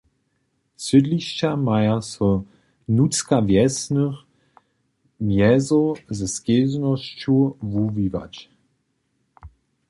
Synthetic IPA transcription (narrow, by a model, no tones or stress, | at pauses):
sədliɕt͡ɕamajasɔ | nut͡skavjɛsnəx | mjɛzɔzɛskeznɔʃt͡ɕuvuviva̰t͡ɕ